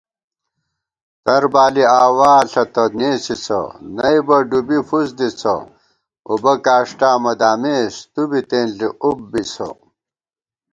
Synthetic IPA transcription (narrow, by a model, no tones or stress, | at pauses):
t̪ɐɾbaːliaːwaːɬɐt̪ɐneːsit͡sʰɐ̰nɐjbɐɖubifusd̪it͡sʰɐ̰ | ṵbɐkaːʂʈaːmɐd̪aːmeːst̪ubit̪eːnɬiʔubːit͡sʰɐ̰